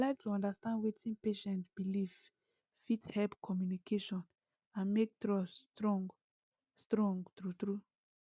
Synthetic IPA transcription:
alaɪk̚tʰuɔ̃ndastãndwetʰĩnpeʃɛ̃ntsbiliv | fithɛlpkʰɔmjunikʰeʃɔ̃n | ãnmek̚tɹɔstɹɔ̃ŋɡ | stɹɔ̃ŋɡtɹut̪ɹu

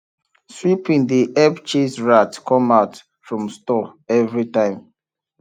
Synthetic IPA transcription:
swipĩŋdiʔɛbt͡ʃesɹatkʰɔ̃maʊt | fɹɔ̃mstɔɛvɹitãɪ̃m

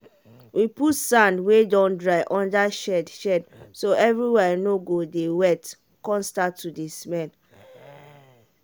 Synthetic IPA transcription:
wʔiputsãndwedɔ̃ndɹaɪʔɔ̃ndaʃɛdʃɛdsoʔɛvɹiwɛnoɡodewɛt | kɔ̃nstatːudismɛ̃n

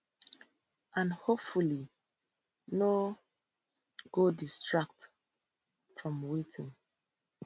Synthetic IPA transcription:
ãnhopfuli | no | ɡ̥odistɹak̚t | fɹɔ̃mwitʰĩn

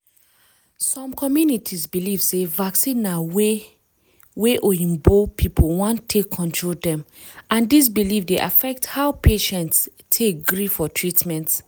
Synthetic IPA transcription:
sɔ̃mkʰɔmjunitʰisbilivsevaksĩnːawe | weʔoĩmbopʰipʰowɔ̃ntʰekʰːɔ̃ntʰɹoldɛ̃m | ãndis̬bilivdeʔa̰fɛk̚thaʊpʰeʃɛ̃nts | tʰek̚ɡɹifɔtʰɹitmɛ̃nt

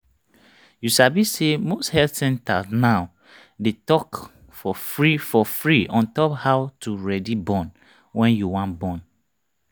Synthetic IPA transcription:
juʃabisemosthɛlsɛ̃nta̰snaʊ | detɔk | fɔfɹifɔfɹiɔ̃ntɔphawtuɹɛdibɔ̃n | wɛ̃njuwãnbɔ̃n

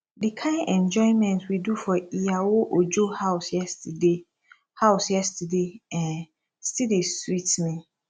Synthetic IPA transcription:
dikʰãɪ̃nʔɛ̃nd͡ʒɔɪ̃mɛ̃ntʰwidufɔijawoʔod͡ʒohaʊsjɛstde | haʊsjɛstʰədeɛ̃n | stidiswitmĩ

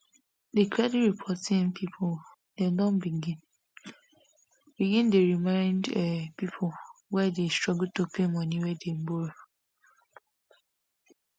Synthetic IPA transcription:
dekʰɾɛdiɹipʰɔtĩnpʰipʰol | dedɔ̃nbiɡĩn | biɡĩndeɹimãɪ̃ndɛpipʰowɛdestɹɔɡutopʰemɔ̃niwɛdebo

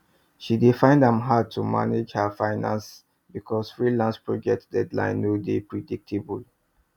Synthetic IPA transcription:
ʃidefãɪ̃ndãmɦad̚tʰuma̰ned͡ʒhafaɪnã̰ns | bikʰɔsfɹilãnspɹɔd͡ʒɛk̚tdɛdlã̰ɪ̃nːodepɹɛdik̚tʰebul

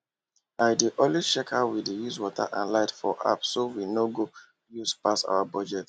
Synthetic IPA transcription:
aɪdeʔõnlit͡ʃɛkhawidejuzwɔtʰa̰ʔã̰nlaɪtfɔʔa̰psowinoɡo | juzpasa̰ʊabɔd͡ʒɛt

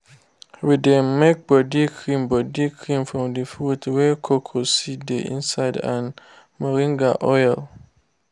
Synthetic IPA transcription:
widɛ̃mmɛk̚bɔdikʰɹĩmbɔdikʰɹĩmfɹɔ̃mdəfutwɛkʰokʰosideʔḭ̃nsaɪdãn | maɾĩŋɡaʔɔjl

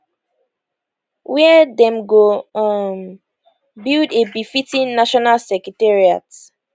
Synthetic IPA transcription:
wɛdɛ̃mɡoɔm | bildebifitĩnnaʃɔnalsɛkɹitɛɹia̰t

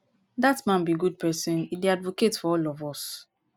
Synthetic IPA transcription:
datmãnbiɡud̚pʰɛsɛ̃nideadvoketfɔɔlɔvɔs

